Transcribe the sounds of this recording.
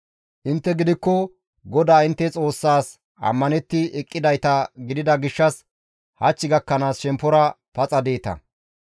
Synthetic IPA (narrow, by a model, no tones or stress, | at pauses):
ʔɪnt̪ːɛɡɪd̪ɪkːɔ | ɡɔd̪aːɪnt̪ːɛt͡sʼo̞ːsːaːs | ʔɐ̰mːɐnɛt̪ːɪɛkʼːɪd̪ɐjt̪ɐɡɪd̪ɪd̪ɐɡɪʃːɐs | hɐt͡ʃːɪɡɐkːɐnaːsʃɛmpːɔɾɐ | pɐt͡sʼɐd̪e̞ːt̪ɐ̰